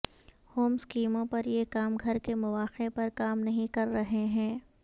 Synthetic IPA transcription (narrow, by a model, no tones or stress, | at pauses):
hoːmskiːmõpɐɾjekaːmɡʱɐɾkemʊʋaːxepɐɾkaːmnɐɦĩkɐɾːɐɦeɦɛ̃ː